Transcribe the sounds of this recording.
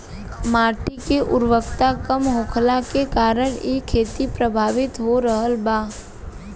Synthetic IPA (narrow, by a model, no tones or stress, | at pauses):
maːɾʈ̪ikeʔʊɾʋəkt̪akəmɦoːkʰlakekaːɾəɽ̃jekʰeːt̪ipɾəbʱaːʋɪt̪ɦoɾəɦəlbaː